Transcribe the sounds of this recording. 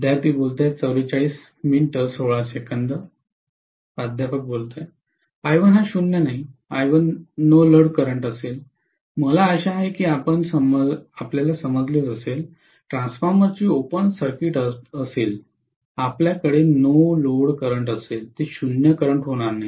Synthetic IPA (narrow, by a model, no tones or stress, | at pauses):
d̪jat̪iːbolt̪at͡səwɾit͡ɕaɭiːs | minʈəsoɭasekənd̪ə | pad̪ʱjapək̚bolt̪a | ajʋənɦaɕunjənaɦiajʋənːoləɽkəɾəɳʈəsel | məlaəɕaɦekiːapənsəməapljalasəməd͡zliːɾəsel | ʈɾãnsfaɾməɾt͡ɕiːopənsəɾkiʈəəsel | apljakəɽenoloɽkəɾəɳʈəselt̪eɕunjəkəɾəɳʈɦoɽ̃aɾnaɦi